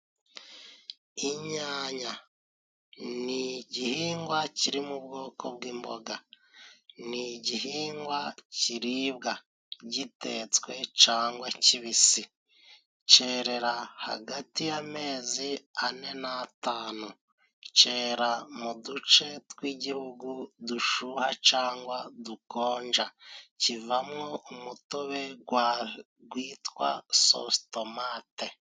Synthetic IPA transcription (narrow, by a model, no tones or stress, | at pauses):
iɲaːɲa | niɟihiːŋɡwaciɾimubɡo̞ːkʰobɡiːmbo̞ɡa | niɟihiːŋɡwaciɾiβɡa | ɟitet͡swe̞t͡ʃaːŋɡwaciβisi | t͡ʃe̞ːɾe̞ɾaha̰ɡatijame̞ːziane̞nataːnu | t͡ʃe̞ːɾamudut͡ʃe̞twiːɟihuɡuduʃuːhat͡ʃaːŋɡwaduko̞ːɲd͡ʒacivamŋo̞umuto̞βe̞ɡwa | ɡwiːtwa̰so̰sto̞maːte̞